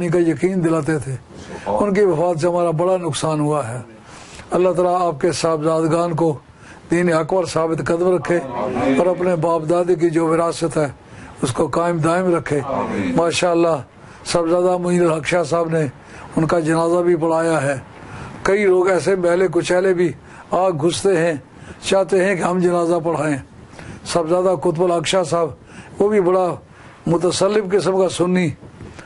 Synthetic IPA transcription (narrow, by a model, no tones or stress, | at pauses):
nikajəkiːnd̪ɪlaːt̪et̪ʰeː | ʊnkiʋəfaːt̪s̬eɦəmaːɾabəɽanʊksaːnɦʊaɦɛː | əlːat̪aːlaaːp̚kesaːbzaːd̪ɡaːnko | d̪iːniɦəkbəɾsaːbɪt̪kəd̪əmɾəkʰːeɔːɾɐpnebaːpd̪aːd̪ik̬id͡ʒoːʋɪɾaːsət̪ɦɛː | ʊskokaːɪmd̪aːɪmɾəkʰːeːmaːʃaːəlːaː | səbzjaːd̪amʊɦiːnəlɦəkʃasaːbne | ʊnkad͡ʒənaːzabʱip̬əɽ̤aːjaɦɛː | kəiloːɡɛːs̬emɛɦlek̬ot͡ʃɛːlebʱi | aːɡɡʱʊst̪eɦɛ̃ | t͡ʃaːt̪eɦɛ̃keɦɐmd͡ʒənaːzap̬əɽ̤aːẽː | səbzjaːd̪akʊt̪̬bəlɦəkʃasaːb | ʋoːbʱibəɽa | mʊt̪əsəlːɪbkɪs̬əmkasʊnːiː